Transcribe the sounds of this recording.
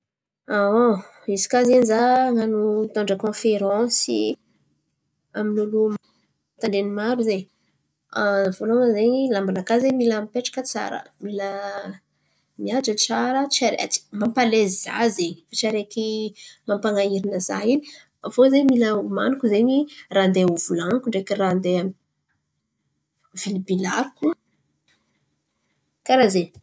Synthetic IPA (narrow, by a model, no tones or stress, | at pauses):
ao | izi̥kazenizaŋanut̪oɳɖ͡ʐəkõfeɾɑ̃sḭ | aminulum | t̪aɳɖ͡ʐenimaɾuze | avoloŋəzeɲilambanakazemilampeʈ͡ʂḁkət͡sa̰ɾə̰milə | miad͡ʒət͡saɾət͡ʃiaɾea̰i̥mampaleziza̰zeɲifat͡ʃiaɾekimampaŋaiɾinəza̰ini | vozemiləuma̰nukuzeɲirand̪euvulaŋkuɳɖ͡ʐekirand̪eam | v̥ilibilaku | kaɾaze